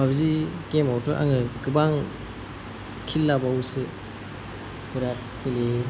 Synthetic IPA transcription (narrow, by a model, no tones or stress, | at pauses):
abzikemawtɯʔa̰ŋɯɡɯbaŋ | kʰilːabawsɯ | buɾat̚kile